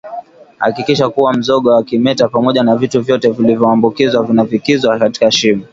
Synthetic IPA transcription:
ha̰kikiʃakuwam̩zɔɠɔwakimɛtapamɔʄanavituvjɔtɛvilivjɔambukizwavinavikizwakati̥kaʃimu

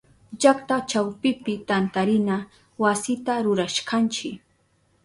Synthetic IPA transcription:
d͡ʒakt̪at͡ʃawpɪpɪt̪ant̪aɾɪna | wasɪt̪aɾʊɾaʃkʰant͡ʃɪk

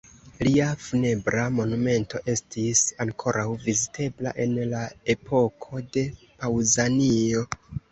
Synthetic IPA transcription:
liafune̞bɾamo̞nume̞nto̞ʔe̞stisaŋkʰo̞ɾawvizitʰe̞bla̰ʔe̞nlae̞pʰo̞kʰo̞de̞ | pawzanio̞

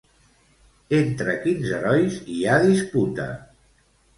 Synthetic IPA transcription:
ent̪ɾəkinzəɾɔjziaðisput̪ə̰

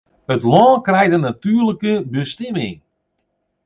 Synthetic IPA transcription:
ətlɔːkrɛjdənatyərləkəbəstɪmɪŋ

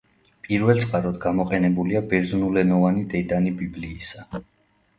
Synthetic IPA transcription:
pʼiɾvɛlt̪sʼqʼaɾɔd̪ɡamɔqʼɛnɛbuliabɛɾznulɛnɔvanid̪ɛd̪ʼanibibliːsa

